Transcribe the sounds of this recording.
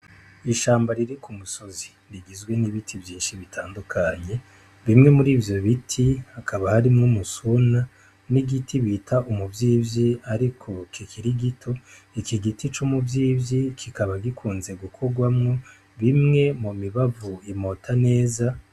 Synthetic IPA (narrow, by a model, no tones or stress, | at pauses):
iʃaːmbaɾiɾikumuso̞zi̥ | ɾiɡizɡwe̞niβitʰivjiːnʃiβitʰaːndukʰaɲe̞ | βimŋe̞muɾiːvjo̞βitʰihakʰaβahaɾimŋumusuna | niɡitʰiβitʰaʔumuvjiːbjiaɾikʰo̞kikʰiɾiɡitʰo̞ | ikiɡitit͡ʃumuvjiːbjikʰikaβaɡikʰuːnze̞ɡukʰo̞ɡwamŋo̞ | βimŋe̞mumiβavuimo̞tʰane̞ːza